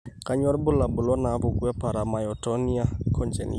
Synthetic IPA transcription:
ka˦ɲɔ˦ɾbʊ˦la˨bʊ˨lɔ˦na˨˦vʊ˨kwa˦pa˨ɾa˨ma˨jɔ˨tɔ˦ni˦a˦kʰɔ˦nd͡ʒɛ̰˨nḭ

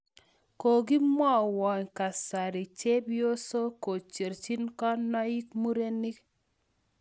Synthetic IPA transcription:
ko˨ɡi˦mɔ˦˨wɔ˨ɲka˨sa˨ɾi˨t͡ʃe˦bjo˦so˦ko˨t͡ʃe˨ɾt͡ʃi˦nkɔ˦nɔ˦i˦kmu˦ɾe˦ni˦k

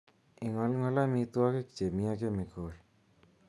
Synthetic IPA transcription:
i˨ŋɔ˦lŋɔ˦lamit̪u˦wake˦kt͡ʃe˨mijakemi˨kʰol

